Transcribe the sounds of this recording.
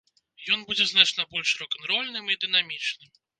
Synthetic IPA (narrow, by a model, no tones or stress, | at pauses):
jɔnbud͡zʲɛznat͡ʂnɐbɔlʲʂrɔkɐnɾɔlʲnɨmid̪ɨnamʲit͡ʂnɨm